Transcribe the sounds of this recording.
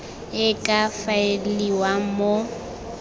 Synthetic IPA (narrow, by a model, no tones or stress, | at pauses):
ɪkʼafaeliwamo